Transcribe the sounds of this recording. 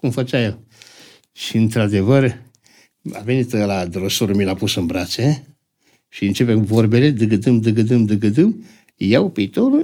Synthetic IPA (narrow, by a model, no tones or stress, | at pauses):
kumfət͡ʃajel | ʃiɨnt̪ɾad̪e̞vər | a̰ve̞nit̪lad̪ɾəsoɾumilapusɨnbɾase | ʃiɨnt͡ʃe̞p̬ekuvorbeled̪ɨɡəd̪ɨmd̪əɡəd̪ɨmd̪ɨɡəd̪ɨm | jawpiːt̪o̞ɾu